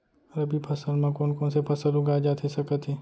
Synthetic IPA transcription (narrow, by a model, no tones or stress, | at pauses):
ɾɐbʱipʰɐsəlmãkoːnkõːnsepʰɐsəlʊɡaːd͡ʒaːt̪ʰesɐkət̪ɦeː